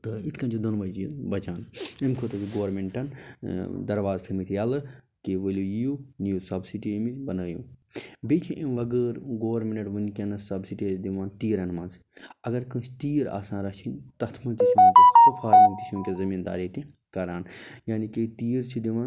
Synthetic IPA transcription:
t̪ɐiʈʰkɐ̃nt͡ʃʰid̪ɐnʋɐd͡ʒbɐt͡ʃaːnimkʰot̪ɐkiɡoːɾmeɳʈɐn | d̪ɐɾʋaːzt̪ʰɨmit̪ʰijɐlɨ | kiʋəlʲujjunjusɐbsiʈimibɐnəːjṵ̃ːbet͡ʃʰĩʔimʋɐɡəːɾɡoːʋɾmʲenɐʈʋɨnikʲenɐsɐbsiʈid̪iʋaːnt̪iːɾɐnmɐ̃ns | ɐɡɐɾkɨ̃t͡ʃt̪iːɾa̰ːsãːnɾɐt͡ʃʰint̪ɐt̪ʰmɐ̃t̪isumt̪isupʰaːɾint̪isʰumkʲezɐmiːnd̪a̰ːɾet̪ĩ | kɐɾaːn | jaːnikit̪iːɾt͡ʃʰid̪iʋaːn

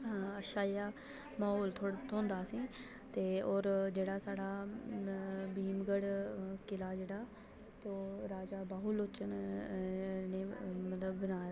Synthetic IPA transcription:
ɦaəʃaːijaː | maːɦoːlt̪ʰoːɽt̪õːnd̪aːsĩː | t̪eːɔːɾd͡ʒeːɽaːsaːɽaː | biːmɡəɽkɪlaːd͡ʒeːɽaː | t̪oːɾaːd͡ʒaːbaːɦuloːt͡ʃən | neːmət̪ləbːənaː

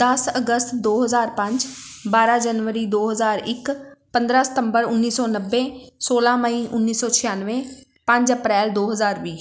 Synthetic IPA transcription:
d̪̥əsəɡəst̪d̪oːɦəzaːɾpə̃ɲd͡ʒbaːɾãːd͡ʒənʋəɾiːd̪oːɦəzaːɾɪkpə̃nd̪ɾaːsɪ̥t̪əmbəɾʊnːiːsɔːnəbːẽːsoːlãːməiːʔʊnːiːsɔːt͡ʃʰɪjãːnʋẽː | pə̃ɲd͡ʒəpɾɛːld̪oːɦəzaːɾʋiː

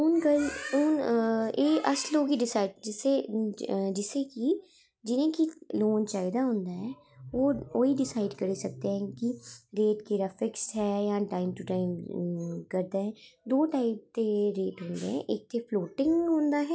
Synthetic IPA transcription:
ʊnkɐlʊːneʔɐsloːɡiɖɪsaːɪɖd͡ʒɪse | d͡ʒɪseki | d͡ʒɪnẽkiloːnt͡ʃaːɪd̪aɦõːnd̪aɦɛː | ʋoːoːiɖɪsaːɪɖkɐɾisɐk̚t̪ẽɦɛ̃kiɾeːʈkeːɾafɪksɦɛːjaʈaːɪmʈuʈaːɪm | kɐɾd̪eɦɛ̃ːd̪oːʈaːɪp̚t̪eɾeːʈɦõːnd̪eɦɛ̰̃ʔeːk̚t̪efloːʈɪ̃ŋɡɦõːnd̪aɦɛː

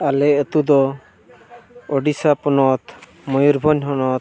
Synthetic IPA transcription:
alɛət̪ud̪ɔ | ɔɖisapɔnɔt̪ | mɔjuɾbʱɔɲɦɔnɔt̪

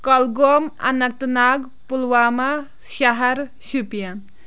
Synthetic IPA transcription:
kʌlɡoma̰nɐk̚t̪naɡ | pulwama | ʃaɦɐɾ | supijan

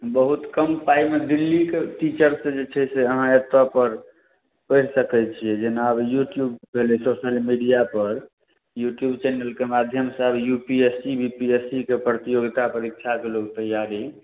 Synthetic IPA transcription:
bəɦut̪kəmpaimed̪ilːikeʈit͡ʃəɾsə̃d͡ʒet͡ʃʰɛseəɦãət̪wapəɾ | pəɪɾsəkɛt͡ʃʰijɛd͡ʒenabjuʈjubbʱelɛsosəlmiɖijapəɾ | juʈjubt͡ʃɛnəlkemad̪ʱjəmsəbjupiesibʱipiesikepɾət̪ijoɡt̪apəɾikːt͡ʃʰakelokt̪əjaɾi

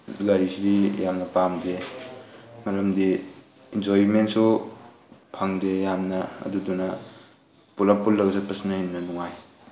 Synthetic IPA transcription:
ɡaɾisidijamnɐpamde | mɐɾɐmdi | ind͡ʒojimentsu | pʰaŋdejamnɐ̰ːdudunɐ | pulapulːɐɡsat̚pɐsnɐhinːɐnuŋaj

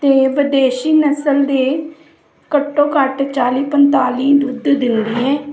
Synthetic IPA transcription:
t̪eːʋəd̪eːʃiːnəsəld̪eː | kəʈːõːkəʈt͡ʃaːliːpənt̪aːliːd̪uːd̪d̪ɪnd̪iːɛː

